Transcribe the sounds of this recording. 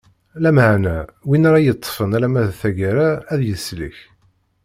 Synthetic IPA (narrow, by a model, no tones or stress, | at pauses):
læməʕnæwinaɾˤɑjət̪ˤːfənæɾæmæðθæʝaɾaːðjəslə̰ç